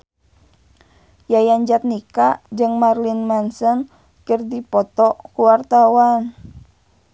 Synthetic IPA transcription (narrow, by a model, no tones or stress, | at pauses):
jajaɲd͡ʒat̪̚nikad͡ʒɨŋmarlinmansɔn | kərdipɔt̪ɔkuwart̪awan